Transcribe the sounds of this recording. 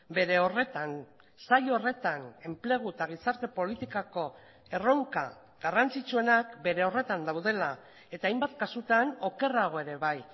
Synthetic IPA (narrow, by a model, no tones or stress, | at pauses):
be̞ɾe̞o̞re̞t̪an | saʎore̞t̪ane̞mple̞ɣ̞ut̪aɣ̞isaɾt̪e̞po̞lit̪ikako̞ | e̞ro̞ŋka | ɡarant͡sit͡ʃue̞nakbe̞ɾe̞o̞re̞t̪and̪awðe̞la | e̞t̪aːjmbat̪kasut̪ano̞ke̞raɣ̞o̞e̞ɾe̞βaj